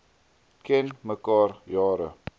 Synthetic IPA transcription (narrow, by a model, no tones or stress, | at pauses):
kɛnməkɑːrjɑːɾə̰